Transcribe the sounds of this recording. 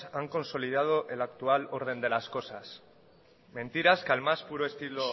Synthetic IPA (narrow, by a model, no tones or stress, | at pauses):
aŋko̞nso̞liðað̞o̞ʔe̞lakt̪ualo̞ɾð̞e̞nd̪e̞lasko̞sas | mẽ̞nt̪iɾaskalmaspuɾoe̞st̪ilo